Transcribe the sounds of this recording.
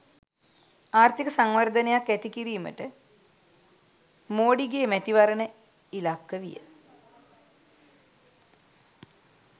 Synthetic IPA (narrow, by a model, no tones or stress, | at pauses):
aːrt̪ikəsaŋʋərd̪ʱənejakːæt̪ikiɾijumə̰ʈə | moːɖiɡeːmɛt̪iʋaɾənə | ilakːəʋḭjə̰